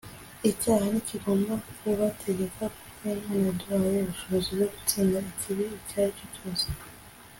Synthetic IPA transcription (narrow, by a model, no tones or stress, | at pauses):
icaːhaniciɡo̞ːmbakukoβatʰe̞ɟe̞kʰakukeinanaduajeβuʃo̞βoziboɡut͡siːnɡaicʰiβiːcaːhacuɟoːze̥